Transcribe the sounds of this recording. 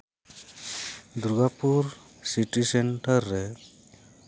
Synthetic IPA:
d̪ɾuɡapuɾ | siʈiseɳʈəɾːe

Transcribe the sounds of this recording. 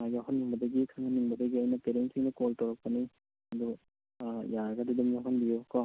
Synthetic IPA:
majɡaɦɔnːiŋbɐdɐɡikʰaŋɐniŋbɐdɐɡiajnɐpeɾensiŋdɐkoltɔɾak̚pɐni | ɐd̪u | ijaɾɐɡadidumjaɦɔnbijuka

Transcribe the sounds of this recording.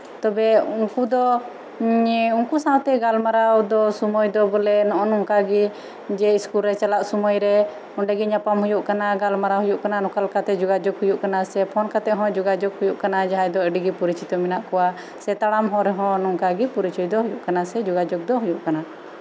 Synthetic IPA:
t̪ɔbɛuŋkud̪ɔ | uŋkusãwt̪ɛɡalmaɾawd̪ɔsumɔjd̪ɔbɔlɛnɔʔɔnuŋkaɡi | d͡ʒɛiskulɾɛt͡ʃalaʔsumɔjɾɛ | ɔɳɖɛɡiɲapamɦujuʔkanaɡalmaɾaɦujuʔkananɔkalkat̪ɛd͡ʒuɡad͡ʒɔɡhujuʔkanasɛpʰɔnkat̪ɛʔɦɔ̃d͡ʒuɡad͡ʒɔɡhujuʔkanad͡ʒaɦajd̪ɔɛɖiɡipuɾit͡ʃit̪ɔminaʔkɔwa | sɛt̪aɽamɦɔ̃ɾɛɦɔ̃nuŋkaɡipuɾit͡ʃujd̪ɔɦujuʔkanasɛd͡ʒuɡad͡ʒɔɡ̚d̪ɔɦujuʔkana

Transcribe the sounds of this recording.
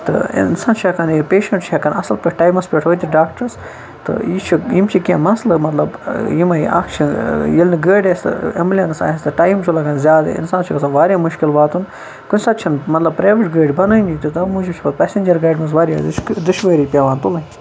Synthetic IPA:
t̪ɨ̰ḭnsaːnt͡ʃʰɐkɐnipeːʃɐɳʈt͡ʃʰɐkɐnɐsɐlpʲeʈʰʈaːjmɐspʲeʈʰɦoːt̪ʲʰiɖaːk̚ʈɐɾs | t̪ɨ̰it͡ʃʰijimt͡ʃʰikʲãːmɐslɨmɐt̪lɐbjimɐiɐ̰kʰt͡ʃʰijilniɡəːɖʲest̪ɨ̰ɐ̰mlʲɐnsa̰ːest̪ɨʈaːjmt͡ʃʰulɐkɐnzʲjaːd̪̰ɪ̰nsaːnt͡ʃʰikɐsɐnʋaːɾjamʊʃkɪlbaːt̪un | kʊnʲsat̪̚t͡ʃʰɐnmɐt̪lɐbpɾaːʋiʈɡəːɖʲbɐnɨnit̪ut̪ɐmuːd͡ʒit͡ʃʰibɐt̪pɛːsend͡ʒɐɾɡaːɖʲmɐzʋaːɾʲja̰d̪ʃkd̪uʃʋəːɾiːpʲaʋaːnt̪ulɐ

